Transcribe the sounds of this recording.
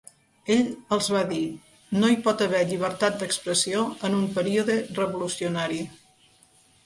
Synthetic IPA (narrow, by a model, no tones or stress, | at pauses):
eʎəlˠzβaði | noipɔt̪əβɛʎiβ̞əɾt̪at̪̚d̪əkspɾəsioənumpəɾiuðərəβulusiunaɾi